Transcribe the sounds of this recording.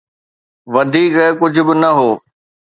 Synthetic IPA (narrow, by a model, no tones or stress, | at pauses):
ʋɐd̪ʱiːkɛkʊd͡ʑʱʊ̆bɪnɐɦoː